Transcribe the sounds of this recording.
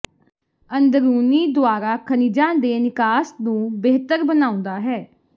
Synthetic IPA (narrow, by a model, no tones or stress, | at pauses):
ənd̪əɾuːniːd̪ʊaːɾaːkʰənid͡ʒãːd̪eːnɪkaːsnũːbeːt̪əɾbənaːʊ̃nd̪aːɦɛː